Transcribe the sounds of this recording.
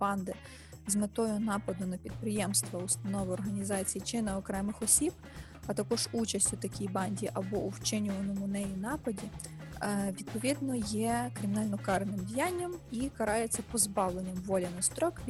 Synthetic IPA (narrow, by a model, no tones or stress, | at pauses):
b̥ɑnd̪ɪ | zmɪt̪ɔjʊnɑpɐd̪ʊnɐpʲid̪̚pɾɪjɛmst̪ʋɐust̪ɐnɔʋɪɔrɦɐnʲizɑt͡sʲijit͡ʃɪnɪɔkɾɛmɪxɔsʲib | ɐt̪ɐkɔʒut͡ʃɐsʲtʲʊt̪ɐkʲijbɑnʲdʲiʔɐbɔʔuwt͡ʃɪnʲʊʋɐnɔmʊnɛjinɑpɐdʲi | ʋʲid̪̥̚pɔʋʲid̪nɔjɛkɾɪmʲinɑlʲnɔkɑɾnɪmdʲijanʲːɐmikɐɾɑjet͡sʲːɐpɔzbɑʋlˠenʲːɐmʋɔlʲɐnɐst̪ɾɔk